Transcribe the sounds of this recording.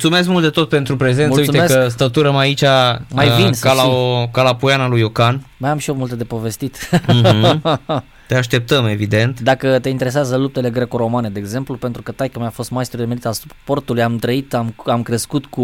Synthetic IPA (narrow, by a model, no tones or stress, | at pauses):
ut̪sume̞s̬kmult̪̚d̪e̞t̪o̞t̪̚pe̞nt̪ɾupɾe̞zenmusəujsuemesəs̬t̪at̪uɾəmait͡ʃʲamajvinskalaokalapujanalujokanmajamʃiomult̪ed̪e̞po̞ve̞st̪it̪̩ | t̪eaʃt̪e̞p̚t̪əme̞vid̪e̞nt̪d̪akət̪e̞int̪e̞ɾe̞sazəlup̚t̪e̞le̞ɡɾe̞koɾo̞mane̞d̪e̞ːɡze̞mplupe̞nt̪ɾukət̪ajkəmjafo̞st̪maest̪ɾud̪eme̞lit̪alsu̥po̞rt̪ulujamt̪ɾəit̪amamkɾeskut̪ku